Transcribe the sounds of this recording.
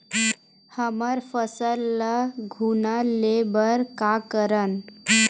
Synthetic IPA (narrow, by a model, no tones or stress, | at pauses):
həməɾfəsəlːəɡʱunalebəɾkakəɾən